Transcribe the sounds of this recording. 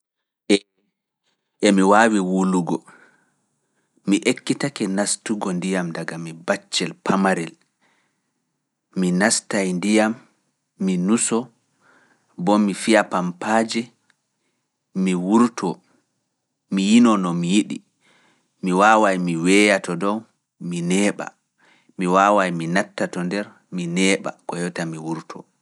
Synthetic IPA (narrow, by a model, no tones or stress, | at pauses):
ɛmiwaːwiwuluɡɔ | miʔekːitakɛnastuɡɔndijamdaɡamibat͡ʃːɛlpʰamaɾɛl | minastajndijamː | inusɔ | bɔmifiapampaːd͡ʒɛ | miwuɾtʰɔ | mijinɔnɔmijiɗi | miwaːwajmiwɛjatɔdɔw | minɛːɓa̰ | miwawajminatːatɔndɛɾ | minɛːɓa̰kɔjɔtamiwuɾtʰɔ